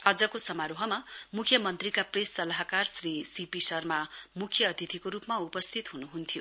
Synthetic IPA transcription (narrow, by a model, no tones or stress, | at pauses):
ad͡zʌkosʌmaɾoɦʌmamukʰjʌmʌnt̪rikapresːʌlaɦkarsrisipisʌrmamukʰjʌːd̪ʱjit̪ʰikoɾupmaupʌst̪ʰit̪ɦunuɦunt̪ʰijo